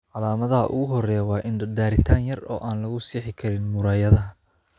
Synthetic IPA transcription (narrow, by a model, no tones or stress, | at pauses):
ʕɑlaːmɐðɐɦɐ̰ʔʊ̰ɣʊɦɔrɛjwɑːʔɪnɖɐd̪aːɾɪt̪ʰaːnjɐrɔ̰ːʔaːnlɐɣʊsiːħɪkʰɐɾɪnmʊɾaːjɐðɐɦɐ